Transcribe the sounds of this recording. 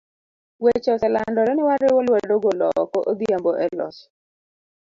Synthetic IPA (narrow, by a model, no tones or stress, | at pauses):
wet͡ʃɔsɛlandɔɾɛnɪwaɾɛwolwadoɡolɔkɔʔoɡiamboʔɛlɔ̰s